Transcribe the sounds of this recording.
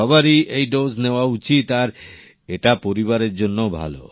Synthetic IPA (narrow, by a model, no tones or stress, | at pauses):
ɔbaɾiʔejɖod͡ʑneoaut͡ɕit̪aɾ | eʈapoɾiβaɾeɾd͡ʑonːobʱa̰lo̰